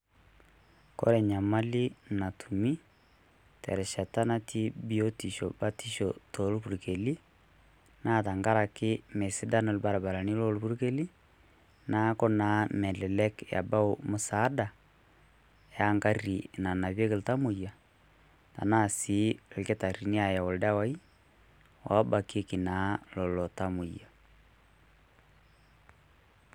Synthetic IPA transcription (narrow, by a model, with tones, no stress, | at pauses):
kɔ̰˦ɾɛ˨ɲa˨ma˦li˦na˨tʰu˨mi˦ | tɛ̰˨ɾɛ˨ʃa˨ta˦na˦tʰi˦bi˦o˦ti˨ʃɔ̰˨ba˦ti˦ʃɔ˨to˨lu˦βu˨ɾi˨ke˨li˦ | na˦˨ta˨ŋɡa˦ɾa˨kɪ˦me˨si˦da˦nɔ˦˨lba˨ɾa˨ba˨la˨ni˦lo˦lu˦βu˦ɾi˦ke˦li˦ | na˦kɔ˦na˨˦mɛ˨lɛ˨lɛ˦kja̰˨ba˦o˨mo˨sa˨˦da˨ | ja˦ŋɡa˦ri˨na˨na˨βe˦ke˨lo˨ta˦mo˨ja˨ | ta̰˨na˦˨si˨˦˨ke˦ta˨ɾi˨ni˦a˨ja˨o˨lda˦wa˦i˦ | wa˨˦ba˨ke˦ki˨na˨˦lɔ˨lɔ˨ta˦mu˨ja˨